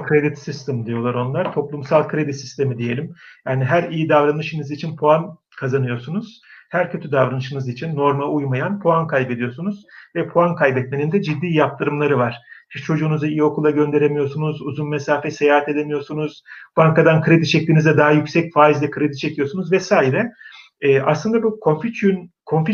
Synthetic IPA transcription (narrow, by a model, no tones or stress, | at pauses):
kʰɾed̪it̪sist̪ʰɛmd̪ijo̞lˠaɾo̞nlˠaɾ̥t̪ʰo̞plˠumsalˠkʰɯɾe̞d̪it̪sist̪ʰe̞mid̪ije̞lʲimjaːniɦæɾijid̪avɾanɯʃɯnɯzit͡ʃʰinpʰoan | kʰazanɯjo̞ɾsunuz̥ | hæɾcʰø̞t̪ʰyd̪avɾanɯʃɯnɯzit͡ʃʰinːo̞ɾmaujmajanpʰoankʰajbe̞d̪ijo̞ɾsunuzvɛpʰoankʰajbɛt̪me̞nind̪ɛd͡ʒid̪ːiːjap̚t̪ʰɯɾɯmlˠaɾɯvaɾ̥hiʃt͡ʃʰo̞d͡ʒuːnuzaijio̞kʰulˠaɟø̞nd̪e̞ɾemijo̞ɾsunuzuzunmesaːfɛsejaːhat̪e̞d̪emijo̞ɾsunuz̥b̥aŋkad̪ankʰɯɾed̪it͡ʃʰɛc̚lʲiːnizd̪ɛd̪aɦajycsɛcfaːizlʲɛkʰɯɾed̪i̥t͡ʃʰecʰijo̞ɾsunuzvɛsaːiɾɛː | aslˠɯnd̪abukʰo̞nfit̪ʰynkʰo̞nfi